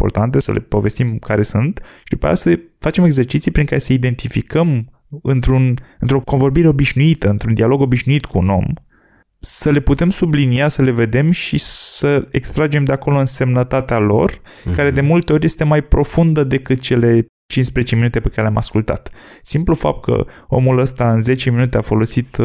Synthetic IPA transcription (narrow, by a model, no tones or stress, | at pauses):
impo̞̰rt̪ant̪e̞sə̰lʔe̞̰po̞ve̞st̪imkaɾe̞sunt̪ʃid̪upea̰j̰a̰asə | fat͡ʃe̞me̞ɡze̞rt͡ʃit̪sijpɾiŋkaɾe̞səid̪e̞nt̪ifikəm | ɨnt̪ɾunɨnt̪ɾo̞ko̞nvo̞ɾbiɾe̞o̞biʃnuit̪əɨnt̪ɾund̪ialo̞ɡo̞biʃnuit̪kʰuːno̞̰m | səle̞put̪e̞msubliniasəle̞ve̞d̪e̞mʃisəḛkst̪ɾad͡ʒe̞md̪e̞ako̞lo̞ɨnse̞mnət̪at̪ealo̞̰r | kaɾe̞d̪e̞mult̪e̞oɾʲje̞st̪e̞majpɾo̞fund̪əd̪e̞kɨt̪̚t͡ʃe̞le̞ | t͡ʃinspɾezet͡ʃe̞minut̪e̞pekaɾelʲama̰skult̪a̰t̪simplufa̰p̚t̪̚kə̰o̞̰muləst̪aɨnze̞t͡ʃe̞minut̪e̞afo̞lo̞sit̪